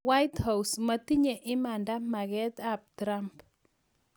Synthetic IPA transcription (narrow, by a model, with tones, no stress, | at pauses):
wa˦jthawsmɐti˦ɲe˨ʔɪ˦ma˨nda˦ma˨ɡɛt̪ap̚tɾamp